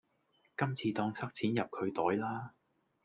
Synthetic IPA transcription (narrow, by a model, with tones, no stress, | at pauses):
kɐ˥mt͡sʰiː˧t̪ɔː˧ŋsʰɐ˥k̚t͡sʰiː˨˥njɐ˨p̚kʰɵ˨˧ɥt̪ɔː˨˥jlaː˥